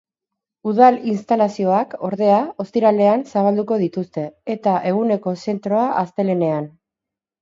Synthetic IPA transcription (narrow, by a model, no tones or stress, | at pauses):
uð̞alinst̪alasio̞ako̞ɾðe̞ao̞st̪iɾale̞ansaβ̞ald̪uko̞ð̞it̪ust̪e̞ːt̪aʔe̞ɣ̞une̞ko̞se̞nt̪ɾo̞aʔast̪e̞le̞ne̞an